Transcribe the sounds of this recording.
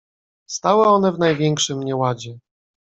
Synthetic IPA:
st̪awɛɔnɛvn̪ajvʲjɛŋkʂɘmɲɛwad͡ʑɛ

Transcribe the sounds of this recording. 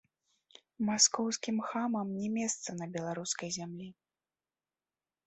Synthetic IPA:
maskɔwskʲimxamɐmnʲɛmʲɛst̪sɐnɐbʲɛlˠaɾuskɐjzʲamlʲi

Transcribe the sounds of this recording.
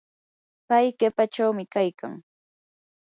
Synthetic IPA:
pajkepat͡ʃawmɪkajka̰ŋ

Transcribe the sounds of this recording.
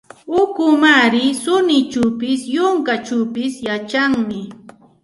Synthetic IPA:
ʊkʊmaɾɪsʊnɪt͡ʃʊpɪsjʊŋkat͡ʃuwpɪsjat͡ʃaŋmɪ

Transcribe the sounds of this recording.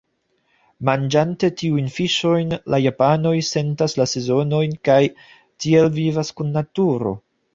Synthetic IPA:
mand͡ʒante̞tiujnfiʃo̞jnlajapano̞jse̞ntaslase̞zo̞no̞jnkaj | tie̞lvivaskunːatuɾo̞̰

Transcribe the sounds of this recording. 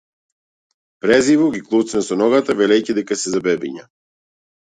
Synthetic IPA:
pɾɛzivɔɡiklˠut̪snɛsɔnɔɡat̪avɛlɛjcid̪ɛkasɛzabɛbiɲa

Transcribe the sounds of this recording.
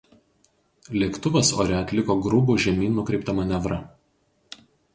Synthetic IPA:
lʲeːkt̪ʊʋɐso̰ːɾʲɛɐt̪ʲlʲɪkoːɡɾʊbuːʒʲɛmʲiːnʊkɾʲɛɪp̚t̪ɐmɐnʲɛʋɾɐ

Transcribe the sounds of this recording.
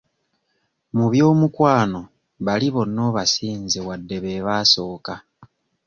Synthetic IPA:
muβjo̞ːmukwaːno̞ | βaliβo̞nːo̞ːβasiːnzewadːe̞βe̞βaːso̞ːka

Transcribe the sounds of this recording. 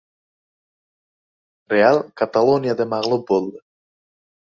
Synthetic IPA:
ɾʲealˠkat̪alˠonʲijad̪ɯmɑʁlˠup̚bolˠd̪ʊ

